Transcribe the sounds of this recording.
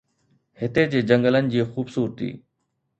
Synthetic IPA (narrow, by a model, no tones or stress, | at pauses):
hɪt̪ed͡ʑeːd͡ʑəŋɡələnɪ̆d͡ʑiːxuːbsuːɾt̪ḭː